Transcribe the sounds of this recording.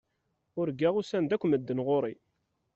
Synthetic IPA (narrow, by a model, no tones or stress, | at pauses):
ʊɾɡæʁusænd̪ækʷːməd̪ːənʁoɾˤi